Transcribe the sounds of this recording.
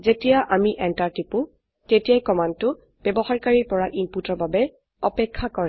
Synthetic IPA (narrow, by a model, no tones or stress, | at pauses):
zetijaʔamiʔɛntaɹtipʊ | tetijajkɔmantʊ | b̥ɛbɔxaɹkaɹiɹpɔɹaʔimputɔɹbabɛ | ɔpɛkʰːakɔɹɛ